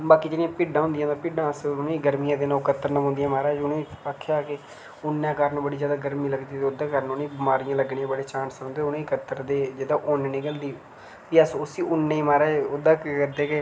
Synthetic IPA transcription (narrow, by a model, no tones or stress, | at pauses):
baːkiːd͡ʒeːɽɪjãːpɪːɖãːɦʊ̃nd̪jãːt̪ãpɪɖãːsʊnẽiːɡəɾmiːãːd̪eːnãːkət̪ːəɾnəːɦʊ̃nd̪ijãːmaːɾaːd͡ʒʊnẽːiakʰjaːke | ʊnːãːkaɾnːbəɽiːzjaːd̪aːɡəɾmĩːləɡd̪iːt̪ːʊd̪ãːkəɾnʊnẽːbmaːɾijãːləɡɳẽãːbəɽeːt͡ʃãːnsõnd̪eʊnẽːkət̪ːəɾd̪eːd͡ʒed̪ãːʔonːneːɡəld̪iː | ʋiːəsʊsiːʔʊnːeːiːmaːɾaːod̪ãːkːkəɾd̪eːke